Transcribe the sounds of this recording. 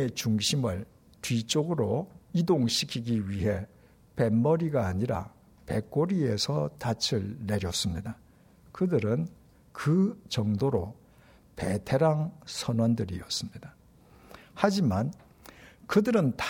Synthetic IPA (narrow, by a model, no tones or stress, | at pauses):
et͡ɕuŋɕʰimɯɭ | tɥit͡ɕ͈oɡɯɾoidoŋɕʰikʰiɡiɥiɦe̞ | pe̞mːʌɾiɡaːɲiɾa̰ | pe̞k͈oɾie̞sʰʌtat͡ɕʰɯɭːe̞ɾjʌs͈ɯmɲida | kɯdɯɾɯn | kɯt͡ɕʌŋdoɾo | pe̞tʰe̞ɾaŋsʰʌnwʌndɯɾiʌs͈ɯmɲid̥a | had͡ʑiman | kɯdɯɾɯnt